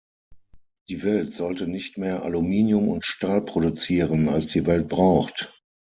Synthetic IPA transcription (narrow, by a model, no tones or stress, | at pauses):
d̥iːvɛltz̥ɔltənɪçtmeːɐʔa̰lumiːnjʊmʊ̰ntʃtaːlpʁ̥odut͡siːʁənalsd̥iːvɛlt̚b̥ʁaʊxt